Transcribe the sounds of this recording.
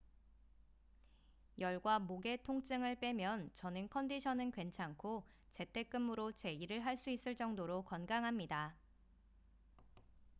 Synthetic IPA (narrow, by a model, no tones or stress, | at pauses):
jʌɭɡwamoɡe̞tʰoŋt͡ɕ͈ɯŋɯɭp͈e̞mjʌnt͡ɕʌnɯnkʰʌndiɕʰʌnɯnkwe̞nt͡ɕʰaŋkʰo | t͡ɕe̞tʰe̞k͈ɯmɯɾot͡ɕe̞iɾɯɭɦaɭs͈uis͈ɯɭt͡ɕ͈ʌŋdoɾokʌnɡaŋɦamɲida